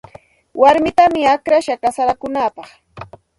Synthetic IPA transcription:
waɾmɪt̪amɪakɾaʃakasaɾakʊnaːpɑχ

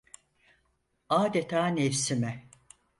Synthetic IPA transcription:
aːd̪et̪ʰaːnefsimɛ

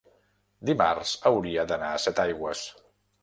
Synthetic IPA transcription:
d̪ima̰rz̥əwɾiəd̪ənaəsɛt̪ajɣwəs

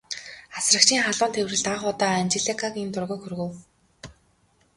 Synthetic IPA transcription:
asrə̆k̚t͡ɕʰiːŋχaɮʊːnt̪ʰewrɘ̆ɮt̪aχʊt̪aːant͡ɕeɮekʰakint̪ʊrɣoːxɵrɣɵ̆w

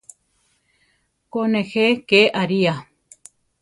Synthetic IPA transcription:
konexekeʔaɾia

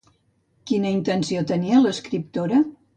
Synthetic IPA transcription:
kinəint̪ənsiot̪əniələskɾip̚t̪oɾə

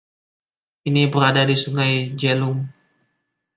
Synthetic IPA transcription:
inibəɾadadisuŋajd͡ʒelʊm

